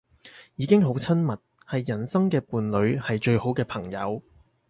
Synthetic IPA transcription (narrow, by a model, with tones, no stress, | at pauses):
jiː˨˧kɪ˥ŋɦo˨˥wt͡sʰɐ˥nmɐ˨t̚hɐ˨jːɐ˨˩nsɐ˥ŋkɛː˧puː˨˧nlɵ˨˧ɥhɐ˨jt͡ʃɵ˧ɥho˨˥wkɛː˧pʰɐ˨˩ŋjɐ̰˨˧w